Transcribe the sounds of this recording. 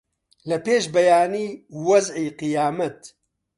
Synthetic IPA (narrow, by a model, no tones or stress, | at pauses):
lɐpeːʃbɐjaːniːwɐzʕiːqɨjaːmɐt̪